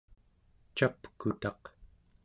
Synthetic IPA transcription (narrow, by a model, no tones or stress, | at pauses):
t͡ʃapkut̪ɑq